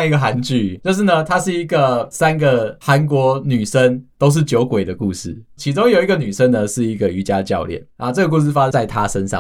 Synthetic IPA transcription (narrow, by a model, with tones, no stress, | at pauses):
i˦˥ɡə˨˩a˧˦˥nt͡ɕy˥˨t͡ɕjo˥˧ʊʂ̬ɻ̩˥˩nə˨t̪ʰa˥ʂɻ̩˥˩i˧˦ɡə˨sa˦nɡə˨xa˧˦nkwɔ˧˥ny˨˩ʂə˦nt̪o˥ʊʂ̬̩˥˩t͡ɕjo˧˥ʊkwe˨˩ɪd̪ə˩ku˥˧ʂɻ̩˥˩t͡ɕʰi˧˥ʈ͡ʂo˥ŋjo˨˩ʊi˦ɡə˨˩ny˨˩ʂə˦nd̪ə˨ʂɻ̩˥˩i˧˥ɡə˨y˧˥t͡ɕja˦t͡ɕjɑ̰˥˧ʊljɛ̰˥˩na˥˧ʈ͡ʂə˥˩ɡə˩k̬u˥˧s̬ɻ̩˥˧fa˦ə˧˨a˥˩ɪt̪ʰa˦ʂə˦˥nʂɑ̰˥˨